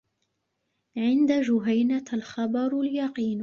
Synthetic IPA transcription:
ʕɪnd̪ad͡ʒʊɦajnaalxɑbɑɾˤljɑqiːn

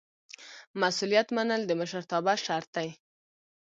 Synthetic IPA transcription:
masulijat̪manəld̪əməʃəɾt̪ɑbaʃaɾt̪aj

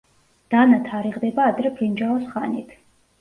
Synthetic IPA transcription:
d̪̥anat̪ʰaɾiʁd̪ɛbaːd̪ɾɛbʰɾind͡ʒaɔsχanit̪ʰ

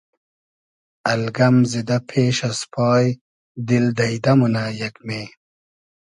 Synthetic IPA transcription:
ɐlɡɐmzid̪ɐpʰeːʃɐspʰɑːj | d̪ild̪ɐid̪ɐmunaːjɐkmeː

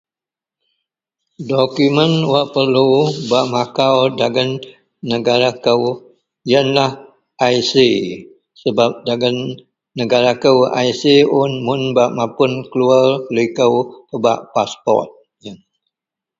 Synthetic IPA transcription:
dokumənwaʔpərlubaʔmakawdaɡənː | əɡaɾakəw | jənlah | ʔaisi | səbap̚daɡənː | əɡaɾakəwa̰jsiʊnmʊnbaʔmãpʊnkəluarlikəwpəba̰ʔpaspɔ̰rt̪̚ | jən

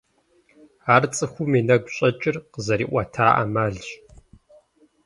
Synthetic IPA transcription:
aːrt͡sʼɨxʷʊmiːnɐɡʷɕʼɐt͡ʃʼɪrqəzɐɾiːʔʷɐtʰaːʔa̰maːɮɕ

